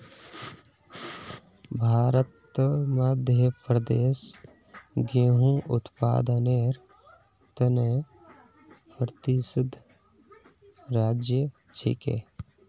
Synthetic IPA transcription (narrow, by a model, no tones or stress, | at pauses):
bʱaːɾət̪maːd̪ʱjəpɾəd̪eːs | ɡeɦũːʔʊt̪pa̰ːd̪aneːɾ | t̪ɐne | pɾt̪isɪd̪ʱː | ɾaːd͡ʒjə | t͡ʃʰḭkḛː